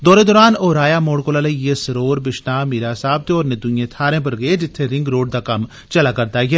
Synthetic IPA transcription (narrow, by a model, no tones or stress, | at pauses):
d̪ɔːɾed̪ɔːɾaːnɔːɾaːjaːmoːɽkoːlaːlɐijesɐɾoːɾbɪʃnaːmiːɾasaːb̚t̪eɔːɾnẽd̪ʊ̃jẽt̪ʰaːɾẽp̬ɐɾɡɐed͡ʒɪt̪ʰːeɾɪ̃ŋɡɾoːɖ̚d̪aːkɐm | t͡ʃɐlaːkɐɾt̪aːɡɛː